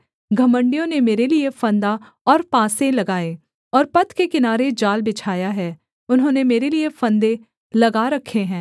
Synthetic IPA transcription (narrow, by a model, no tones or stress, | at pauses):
ɡʱɐmə̃ɳɖijõnemeːɾeliefɐ̃nd̪a | ɔːɾpãːsẽlɐɡaːe | ɔːɾpɐt̪kekɪnaːɾed͡ʒaːlbɪt͡ʃʰaːjaɦɛː | ʊnɦõːnemeːɾeliefɐ̃nd̪ẽ | lɐɡaɾɐkʰːeɦɛ̃ː